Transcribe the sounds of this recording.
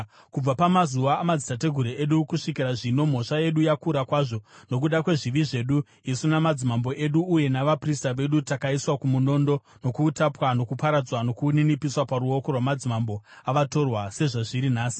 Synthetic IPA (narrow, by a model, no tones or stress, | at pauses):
kub͡vapamazuʋaːmad͡zitate̞ɡʱuɾeeɗukuʂikiraʐino̞m̤o̞ʂaje̞ɗujakuɾakwaːʐo̞no̞k̬uɗakwe̞ʐiʋiʐe̞ɗu | isunamad͡zimambo̞ʔe̞ɗuːje̞naʋapristaʋe̞ɗutakaiswakumuno̞ndo̞ | no̞kuːtapwano̞kupaɾad͡zwano̞kuninipiswapaɾuo̞ko̞rwamad͡zimambo̞ | aʋato̞rwase̞ʐaʐiɾinaːsi̥